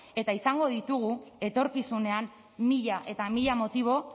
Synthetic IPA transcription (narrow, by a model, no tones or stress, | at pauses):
e̞t̪aisaŋɡo̞ðit̪uɣ̞ue̞t̪o̞ɾkisune̞am | miʎaʔe̞t̪amiʎamo̞t̪iβ̞o̞